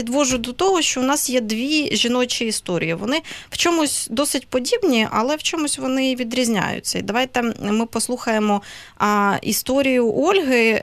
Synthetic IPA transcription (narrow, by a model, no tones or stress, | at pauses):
id̪ʋɔʒʊd̪ɔt̪ɔɦɔʃt͡ʃɔʊnɑsjɛd̪ʋʲiʒʲinɔt͡ʃʲiist̪ɔɾʲḭjiʋɔnɪw̥t͡ʃɔmʊsʲd̪ɔsɪtʲpɔdʲibnʲiʔɐ̰lˠɛwt͡ʃɔmʊsʲʋɔnɪʋʲid̪ɾʲizʲnʲa̰jʊ̰t͡sʲːɐḭd̪ɐʋɑjt̪ɛmɪpɔslˠuxɐjemɔ | ḭst̪ɔɾʲijʊʔɔlʲɦɪ